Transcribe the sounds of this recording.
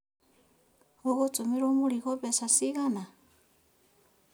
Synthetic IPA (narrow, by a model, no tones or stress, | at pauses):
ɣɔɣɔt͡sʼɔmiɺɔmuliɣɔpɛsasiɣana